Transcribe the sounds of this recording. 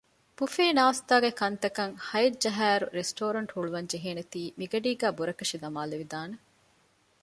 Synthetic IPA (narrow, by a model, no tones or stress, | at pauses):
pufeːnaːst̪aːɡekɐnt̪ɐkɐŋhɐjɐd͡ʒɐɦæːɾṵɾesʈoːɾɐɳʈhuɭuʋɐɲd͡ʒeɦeːnet̪iːmiɡɐɖiːɡæːbuɾɐkɐʃid̪ɐmaːleʋid̪aːne